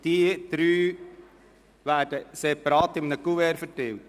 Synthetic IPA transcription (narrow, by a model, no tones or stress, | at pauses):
d̥iəd̪̥ɾyː | ʋæːd̥əsepɑɾɑːt̪ɪmənəkuɛːɾfətɪwt